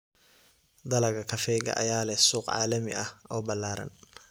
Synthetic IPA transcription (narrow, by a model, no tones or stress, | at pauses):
d̪ɐlɐɡɐkʰɐfɛːɣɐ̰ʔɐjaːlɛhsuːqʕɑ̰ːlɐmɪ̰ʔɐhʔɔːbɐlːaːɾɐ̰n